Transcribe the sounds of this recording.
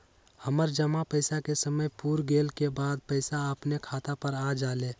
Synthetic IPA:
həməɾd͡ʒəmapəɪsakesəməjpuːɾɡeːlkebaːd̪̚pəɪsaəpnekʰaːt̪apəɾad͡ʒaːleː

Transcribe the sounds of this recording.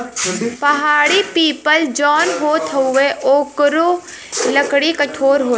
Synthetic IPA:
pɐɦaːɽipiːpəld͡ʒɔːnɦoːt̪ʰɦoʊeʔoːkɾo | ləkɽikɐʈʰoːɾɦoː

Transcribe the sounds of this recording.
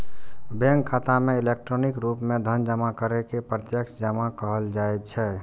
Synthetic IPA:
bɛ̃ŋkʰːat̪amẽilek̚ʈɾonikɾupmẽd̪ʱənd͡ʒəmakəɾɛkepɾət̪jəkʃd͡ʒəmakəɦəld͡ʒaɛt͡ʃʰɛ

